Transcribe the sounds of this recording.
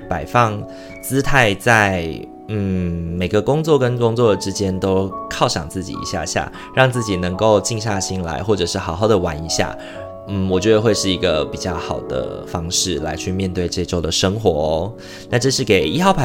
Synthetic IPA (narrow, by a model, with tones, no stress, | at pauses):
pa˨˩ɪfɑ˥˧ŋ | t͡sɹ̩˥t̪ʰa˥˧ɪt͡sa˥˩ɪ | n̩˥˩me˨˩ɪɡə˦kʊ˥ŋt͡swɔ˥˩kə˥nkʊ˥ŋt͡swɔ˥˨ʈ͡ʂɻ̩˥t͡ɕjɛ˥nt̪o˥ʊkʰɑ˥˩ʊʂɑ̰˨˩ŋt͡sɹ̩˥˩t͡ɕḭ˨˩ḭ˧˥ɕja̰˥˧ɕja̰˥˩ | ɻɑ˥˧ŋt͡sɹ̩˥˩t͡ɕi˨˩nɤ˧˥ŋko˥˧ʊt͡ɕi˥˧ŋɕ̬ja˥˩ɕi˥nla̰˧˥ɪxwɔ˥˩ʈ͡ʂɤ˨˩ʂɻ̩˥˩xɑ˨˩ʊxɑ˥˩ʊd̪ə˩wa˧˥ni˧˥ɕja̰˥˩ | n̩˥˩wɔ˨˩t͡ɕɥɛ˧˥d̪ə˧xwe˥˧ɪʂɻ̩˥˩i˧˥ɡə˧pi˨˩t͡ɕjɑ˥˩ʊxɑ˨˩ʊd̪ə̰˦fɑ˥ŋʂɻ̩˥˩la˧˥ɪt͡ɕʰy˥˧mjɛ˥˧nt̪we˥˧ɪʈ͡ʂe˥˩ʈ͡ʂo˥˩ʊd̪ə˩ʂɤ˥ŋxwɔ˧˥ | na˥˧ʈ͡ʂɤ˥˧ʂ̬ɻ̩˥˩ke˨˩ɪi˥xɑ˥˩ʊpʰa˨˩